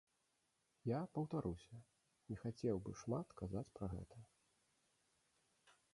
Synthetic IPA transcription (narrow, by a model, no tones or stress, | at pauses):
japɐwt̪aɾusʲɐ | nʲɛxat͡sʲɛwbɨʂmat̪kazat͡sʲpɾɐɣɛ̰t̪ʰɐ